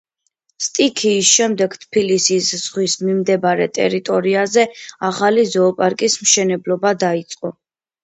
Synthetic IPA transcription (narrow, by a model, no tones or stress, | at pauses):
st̪ʼikʰiːsʃɛmd̪ɛɡt̪ʰpʰilisisz̥ʁwismimd̪ɛbaɾɛ̰t̪ʼɛ̰ɾit̪ʼɔɾiazɛaχalizɔːpʼaɾkʼismʃɛnɛblɔbad̪ait̪sʼqʼɔ